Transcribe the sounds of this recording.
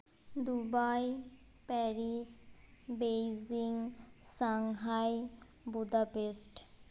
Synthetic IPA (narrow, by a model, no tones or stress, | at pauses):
d̪ubaj | pɛɾisbejziŋsaŋɦaj | bud̪apesʈ